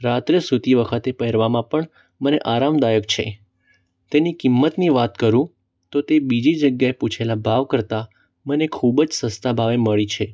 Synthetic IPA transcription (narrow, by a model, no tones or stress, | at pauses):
ɾat̪ɾesut̪iʋəkʰət̪epəɦɛɾʋamãpəɳ | məneʔaɾamd̪ajəkt͡ʃʰḛ | t̪enikimːət̪niʋat̪kəɾũ | t̪ot̪ebid͡ʒid͡ʒəɡjaeput͡ʃʰelabʱaʋkəɾt̪a | mənekʰubd͡ʒsəst̪abʱaʋeməɭit͡ʃʰe